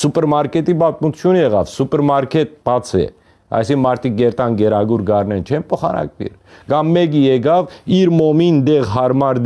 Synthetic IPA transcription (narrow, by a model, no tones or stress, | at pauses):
supɛɾmɑɾkɛt̪ibɑt̪mut͡sʰjunjɛʁɑ̰vsupɛɾmɑɾkʰɛt̪̚b̥ɑt͡sʰɛ̰ | ɑ̰jsikmɑɾt̪ʰik̚ɡɛɾt̪ɑnɡɛɾɑɡuɾɡɑrnɛnt͡ʃʰɛnpʰɔχɑ̰nɑ̰kvḭɾ | ɡ̥ɑmːɛɡijɛɡɑviɾmɔmind̪ɛʁɦɑɾmɑɾd̪